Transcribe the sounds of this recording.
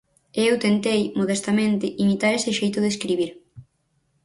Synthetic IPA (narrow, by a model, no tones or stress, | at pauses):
ewt̪ent̪ejmoð̞est̪amẽnt̪ɪʔimit̪aɾesɪʃejt̪ʊðeskɾiβ̞iɾ